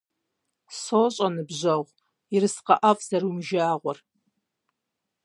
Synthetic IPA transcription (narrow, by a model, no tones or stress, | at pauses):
soɕʼɐnɨbʑɐʁʷ | irɨsqɐʔavzɐɾumʒaːʁʷɔr